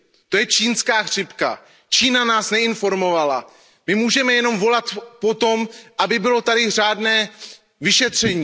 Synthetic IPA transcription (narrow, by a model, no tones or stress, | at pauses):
t̪o̞jɛt͡ʃiːnskaːxr̝̥ɪpka̰ | t͡ʃiːnanaːsnɛɪnfo̞ɾmo̞vala̰ | mɪmuːʒɛmɛjɛno̞mvo̞lat̪po̞t̪o̞mʔabɪbɪlo̞t̪adɪraːdnɛː | vɪʃɛt̪r̝̥ɛɲiː